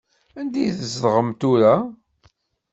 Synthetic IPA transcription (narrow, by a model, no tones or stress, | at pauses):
ænd̪ijθəzðʁəmt̪ʊɾa